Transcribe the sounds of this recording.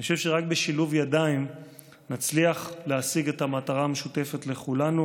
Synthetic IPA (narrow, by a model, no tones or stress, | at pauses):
nioʃe̞vʃeʁak̚be̞ʃiluvjadaim | nat͡sliaχleasiɡe̞tamataʁaːmeʃute̞fe̞tle̞χulanu